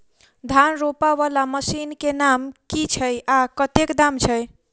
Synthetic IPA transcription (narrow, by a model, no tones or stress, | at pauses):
d̪ʱanɾopaβalaməsinkenamkit͡ʃʰəjakət̪ekd̪amt͡ʃʰəj